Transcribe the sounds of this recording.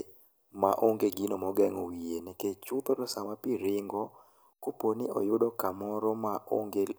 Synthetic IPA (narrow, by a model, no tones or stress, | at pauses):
ma̰ʔoŋɡeɡinomɔɡɛŋowienɛket͡ʃʊt̪ɔɾɔsamapiɾɪŋɡɔ | koponɪɔ̰jʊdɔkamɔɾɔmaʔo̰ŋɡel